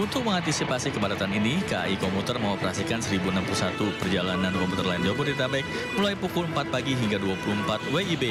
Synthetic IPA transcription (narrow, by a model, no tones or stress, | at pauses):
unt̪ʊk̚məŋant̪isipasikəbadat̪aninikaikomut̪ərməŋopərɦasikansəɾibunampulusat̪upərd͡ʒalanankɔmput̪ərlaɪnd͡ʒɔburd̪it̪abaɪk̚ | mulajpukʊləmpat̪̚paɡiɦiŋɡaduapuluəmpat̪̚weibe